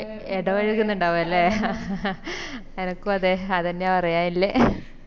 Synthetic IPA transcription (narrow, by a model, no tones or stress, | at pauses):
eɽɐʋɐɻikːunːuɳɖaːʋuɐlːe | ɲɐnɐkːuɐðeɐðɐnːejapɐrɐjaːnilːe